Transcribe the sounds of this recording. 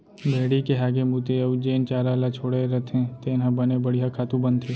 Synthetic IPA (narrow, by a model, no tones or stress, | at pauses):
bʱeːɽikeɦaːɡemuːt̪eɐʋd͡ʒeːnt͡ʃaːɾalat͡ʃʰoːɽeɾɐt̪ʰẽt̪eːnɦãbɐnebɐɽijɦakʰaːt̪ũbə̃nt̪ʰe